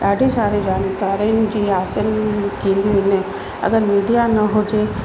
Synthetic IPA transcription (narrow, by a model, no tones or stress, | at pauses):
aːɖʱesaːɾed͡ʒaːnkaːɾẽd͡ʒiːaːsəɾk̪ĩːnd̪iõɪn | ɐ̰ɡəɾmiːɖijanɐɦoːd͡ʒe